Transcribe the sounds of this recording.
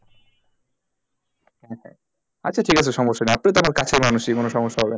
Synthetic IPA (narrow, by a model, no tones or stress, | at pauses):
hɛ̃hɛ̰̃ | atːɕʰaʈʰikat͡ɕʰeʃɔmoʃːanɛap̚najt̪oamaɾkat͡ɕʰeɾmanuʃikonoʃɔmoʃːaɦɔben